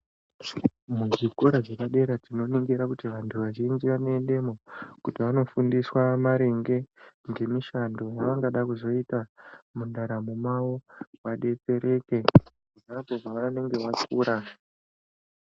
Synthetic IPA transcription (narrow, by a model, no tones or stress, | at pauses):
muʐikoɾaʐekaɗe̞ɾad͡zino̞niŋɡiɾakutiʋantʰuʋaʒind͡ʒiʋanoende̞mokutiʋano̞fundiswamaɾeŋɡe̞ŋɡe̞miʃando̞jaʋaŋɡaɗakuzo̞itamundaɾamumawoʋaɗe̞t͡se̞ɾe̞ːke̞ | uʐad͡zoʐaʋane̞ŋɡe̞ʋakuːɾa